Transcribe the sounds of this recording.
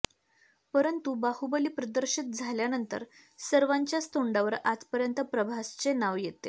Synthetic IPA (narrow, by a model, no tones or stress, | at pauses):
pəɾənt̪ubahubəliːpɾəd̪əɾɕit̪̚d͡zʱaljanənt̪ə̰ɾ | səɾʋaɲt͡ɕjast̪oɳɖaʋəɾad͡zpəɾjənt̪əpɾəbʱast͡senaʋjet̪e